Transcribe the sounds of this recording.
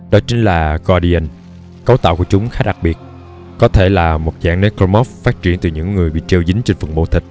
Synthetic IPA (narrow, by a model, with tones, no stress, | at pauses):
ɗɔ˨˦t͡ɕï˨˦ŋ̟laː˨˩ɣɔ˧ɗi˧ə˧n | kə˨˦wt̪a̰ː˧˨wku˧˩ət͡ɕʊ˨˦ŋ͡mxaː˨˦˥ɗa˨˩k̚ɓi˨˩ət̚ | kɔ˨˦t̪ʰe˧˩laː˨˩mo˨˩t̚za̰ː˧˥ŋne˨˦˥kɔ˧mɔ˦˥ffaː˦˥t̚t͡ɕi˧˩ənt̪ɨ˨˩ɲɨ̰˧˥ŋːɨ˨˩əjɓḭ˧˨t͡ɕi˧wzï˨˦ŋ̟t͡ɕe˧ŋfə˨˩ŋɓo̰˧˨˦t̪ï˨˩k̟̚